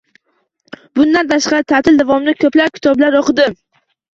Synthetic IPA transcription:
bʊnd̪ant̪ʰaʃqɑɾɪt̪ʰat̪ʰɪld̪avɒmnɪkʲʰɵplap̚kʰʲɪ̥t̪ʰɒblaɾoqʰɨd̪ɪ

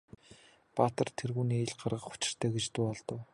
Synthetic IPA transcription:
pat̪ə̆rt̪ʰerɣuːniːeɮɢarʁə̆χʊ̥t͡ɕɪ̥̆r̥t̪ʰæːɡet͡ɕt̪uːɔɮt̪ə̆w

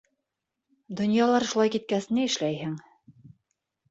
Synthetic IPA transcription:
d̪ŏnjɑlˠɑɾʃulˠɑjkit̪̚kæsɘ̆nɘɘ̆ʃlæjhɘŋ

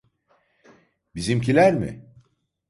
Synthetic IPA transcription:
bizimc̬ʰilʲæɾmɪ̰

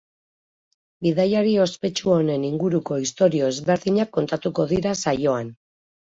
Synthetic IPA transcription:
biðajaɾio̞spe̞t͡ʃuo̞ne̞niŋɡuɾuko̞ist̪o̞ɾio̞ezβe̞ɾðiɲakːo̞nt̪at̪uko̞ðiɾasajo̞an

